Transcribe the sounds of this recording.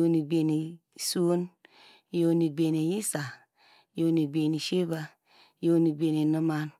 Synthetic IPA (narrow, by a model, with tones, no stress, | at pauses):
o˦˧ni˨ɡ͡be˨ni˨ | su˦n˦ | jo˧ni˨ɡ͡be˨ni˨ji˦sa˨ | jo˦ni˨ɡ͡be˨ni˨ʃe˦ba˧ | jo˦ni˨ɡ͡be˨ni˨nɨ˦ma˦n